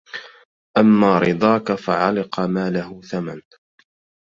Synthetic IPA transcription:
ʔamːaːɾɨd̪ˤɑːkafaʕalɪqɑmaːlahʊθaman

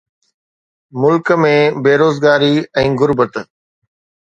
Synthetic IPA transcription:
mʊlkəmẽbeːɾoːzɡaːɾiɛ̃ːɡʊɾbət̪

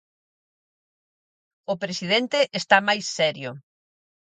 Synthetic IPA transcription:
ʊpɾesið̞ent̪eʔest̪amajsːɛɾjʊ

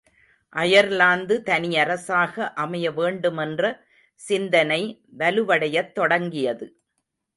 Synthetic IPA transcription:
ʔɐjɐɾlaːnd̪ɯt̪ɐnɪjɐɾɐsaːɣɐʔɐmɐjɐʋeːɳɖɯmɛndrɐ | sɪnd̪ɐnɐɪʋɐlɯʋɐɽɐjɐt̪ːɔɽɐŋɡɪjɐðɯ

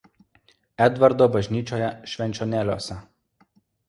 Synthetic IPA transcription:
ɛd̪ʋɐɾd̪oːbɐʒʲnʲiːt͡ʃʲoːjɛʃʲʋʲɛnʲt͡ʃʲoːnʲæːlʲoːsʲɛ

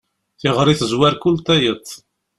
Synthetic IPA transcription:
θɪʁɾˤiθəzwæɾkult̪æjət̪ˤː

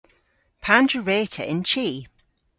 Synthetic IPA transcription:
pʰãndɹəɹeːtʰə̰ʔɪ̃nt͡ʃʰiː

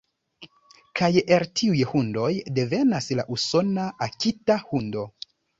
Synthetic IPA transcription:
kajeltʰiujhundo̞jde̞ve̞nasla̰ʔuso̞naʔakʲitahundo̞

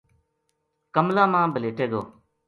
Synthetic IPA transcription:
kəmlãːmãːbəleːʈeːɡo̰ː

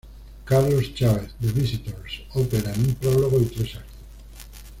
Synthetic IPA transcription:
kaɾlost͡ʃaβeθðeβisit̪oɾsopeɾãnũmpɾoβloɣolt̪ɾesakt̪o̥

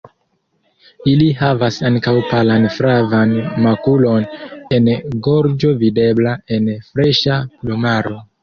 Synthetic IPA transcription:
iliɦavasaŋkawpalanfɾavanmakulo̞ne̞nɡo̞ɾd͡ʒo̞vide̞blae̞nfɾe̞ʃaplumaɾo̞

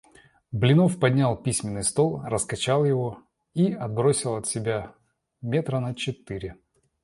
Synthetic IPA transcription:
blʲɪno̞fpɐdʲnʲalˠpʲisʲmʲɪnːɨjst̪o̞lˠrəskɐt͡ɕalˠjɪvo̞ | iɐd̪̚bɾo̞sʲɪlˠɐt̪sʲɪbʲa | mʲe̞t̪ɾənət͡ɕɪt̪ɨɾʲɪ

